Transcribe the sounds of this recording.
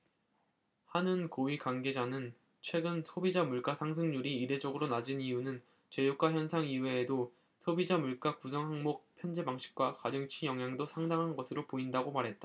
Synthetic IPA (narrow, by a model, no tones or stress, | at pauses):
hanɯnkoikaŋɡe̞d͡ʑanɯn | t͡ɕʰwe̞ɡɯnsʰobid͡ʑamuɭk͈asʰaŋsʰɯŋɲuɾiːɾe̞d͡ʑʌɡɯɾonad͡ʑinijunɯn | t͡ɕe̞jok͈aɦjʌnsʰaŋiwe̞ːdo | sʰobid͡ʑamuɭk͈akusʰʌŋɦaŋmok̚pʰjʌnd͡ʑebaŋɕʰi̥k̚k͈wakadɯŋt͡ɕʰijʌŋɦjaŋdosʰaŋdaŋɦanɡʌsʰɯɾopoindaɡomaɾɦe̞t̚t͈a